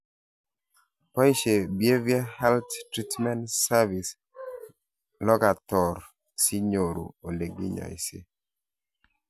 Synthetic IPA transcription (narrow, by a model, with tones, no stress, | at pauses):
pɔ˦i˦ʃe˨bje˦vi˦a˦hɛ˦lttɾi˦tmɛ˦ntsa˦vi˨s | lɔ˦ka˨tɔ˨ɾ | si˦ɲo˨ɾṵ˨o˨ne˨ɡi˦ɲɔ̰˨ḭ˨sḛ˦